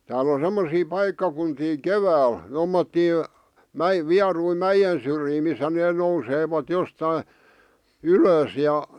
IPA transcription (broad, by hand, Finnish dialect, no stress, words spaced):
tæːl on̞ semːosiː pɑikːɑkuntiː keʋæːl tomːotːiː mæ ʋiɑrui mæjen̞ syrjiː misːæ neː nouseʋɑt jostɑi yløs jɑ